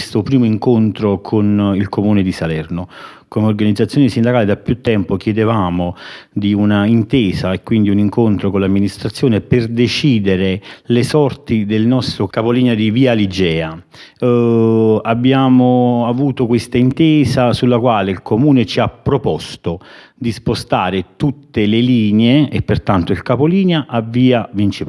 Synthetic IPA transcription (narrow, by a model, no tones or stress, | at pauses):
st̪opɾiːmoiŋkont̪ɾokʰonilkomuːned̪isalɛrno | komeorɡanid̪zːat̪sːjoːnisind̪akaːled̪apːjut̪ːɛmpokjɛd̪evaːmod̪iunaint̪eːzaekːwind̪iuniŋkont̪ɾokonlamːinist̪ɾat̪sːjoːneperd̪et͡ʃiːd̪eɾelesɔrt̪id̪elnɔst̪ɾokapoliːnead̪iviːalid͡ʒɛːa | abːjaːmoavuːt̪okwest̪aint̪ɛːzasulːakwaːleilkomuːnet͡ʃiapːɾopɔst̪o | d̪ispost̪aːɾet̪ut̪ːeleliːneeːpːert̪ant̪oilkapoliːneaʔavːiːavint͡ʃip